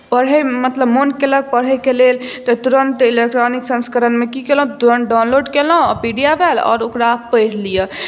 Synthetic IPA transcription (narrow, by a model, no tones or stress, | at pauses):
pəɽ̤ɦɛmət̪ləbmonkelək̚pəɽ̤ɛkelelt̪ɔt̪uɾəɳʈilek̚ʈɾoniksə̃nskəɾənmekikelɦt̪uɾəɳʈɖawnloɖkelɦpiɖijabʱɛlɔ̰ːɾokɾapəjɾlijə